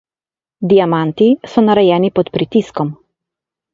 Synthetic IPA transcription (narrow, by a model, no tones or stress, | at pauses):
d̪ijamant̪isɔnaɾɛjɛːnipɔt̪pɾit̪iskɔm